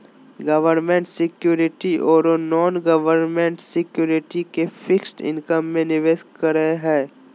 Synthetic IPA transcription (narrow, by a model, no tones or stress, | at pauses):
ɡɐʋəɾnmẽɳʈsɪkjuːɾɪʈiʔɔːɾonɔːnɡɐʋəɾnmẽɳʈsɪkjuːɾɪʈikefʰɪksʈɪ̰̃nkəmːẽnɪʋeːskəɾəɦeɦɛː